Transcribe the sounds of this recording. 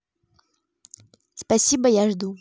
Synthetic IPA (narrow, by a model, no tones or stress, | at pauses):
spasʲibɐjaʐd̪u